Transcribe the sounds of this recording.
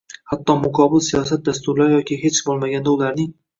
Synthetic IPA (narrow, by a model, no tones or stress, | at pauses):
hat̪ːɒmʊkʰɒbɪlsijɒsat̪̚d̪ast̪ʊɾlaɾjɒkʲʰɪɦe̞t͡ʃbolˠmaɡʲand̪aʊlaɾnɪŋ